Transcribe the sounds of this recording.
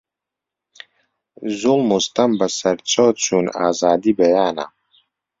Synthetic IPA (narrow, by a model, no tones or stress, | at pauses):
zulˠmust̪ɐmbɐsɐɾt͡sʰoːt͡sʰuːna̰ːzaːd̪iːbɐjaːnɐ̰